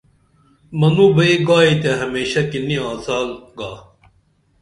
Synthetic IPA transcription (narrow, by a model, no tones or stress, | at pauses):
mɐnũːbɐiɡaːiːt̪aːɦɐmeːɕakiniãːzaːlɡaː